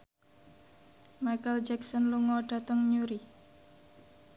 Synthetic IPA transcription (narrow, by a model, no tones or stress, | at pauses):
majkəld͡ʒɛksənluŋɔɖ̥a̤t̪əŋɲuɾi